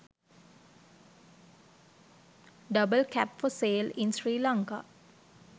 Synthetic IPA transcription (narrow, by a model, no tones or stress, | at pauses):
ɖəbəlkʰæpfɔseːlinsɾiːlaŋka̰